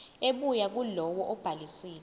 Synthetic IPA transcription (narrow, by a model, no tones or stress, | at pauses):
eɓujak̬ulɔwɔʔɔb̥ʱalisiːl